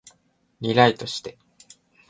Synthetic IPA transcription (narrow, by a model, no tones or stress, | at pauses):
nʲiɾait̪o̞ɕi̥t̪e̞